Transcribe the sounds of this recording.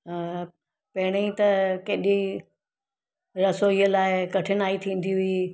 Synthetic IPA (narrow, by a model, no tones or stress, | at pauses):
pɐɦɪɽ̃ẽĩt̪ɐkeːɗi | ɾɐsoiːəlaːɪkɐʈʰɪnaːit̪ʰĩːn̆d̪iɦʊi